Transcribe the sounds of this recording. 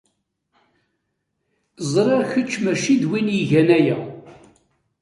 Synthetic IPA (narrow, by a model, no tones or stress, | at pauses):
zˤɾɑɾçət͡ʃːmæʃid̪winjiʝænæjæ